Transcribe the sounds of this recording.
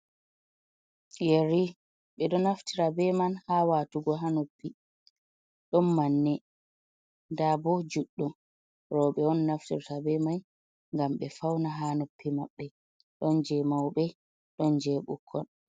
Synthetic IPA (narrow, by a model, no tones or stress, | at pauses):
jeɾi | ɓɛɗɔnaftʰiɾabɛmanhawaːtuɡɔɦanopːi | ɗɔnmanːɛ | ndabɔd͡ʒuɗːum | ɾɔɓɛɔnːaftḭɾtabɛman | ŋɡamɓɛfawnaɦanopːimaɓːɛ | ɗɔnd͡ʒɛmawbɛ | ɗɔnd͡ʒɛɓṵkʰːɔn